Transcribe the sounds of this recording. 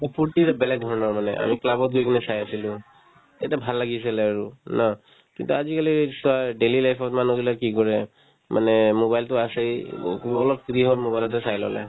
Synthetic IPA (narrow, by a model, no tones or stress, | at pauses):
ɔpʰuɹtitɛbɛlɛk̚dʱɔɹɔnɔɹmanɛ̰ʔa̰miklabɔt̚ɡojkinɛsajasilʊ̃ | tatɛbʱalːaɡis̬alɛaɹuna | kintuazikalisɔaɖelilajpʰɔtmanɔɡilakikɔɹɛ | mʔanɛmobajltʊasejkɔlɔp̚kɹiɦɔɹmobajlɔt̬ɛsajlɔ̰lɛ̰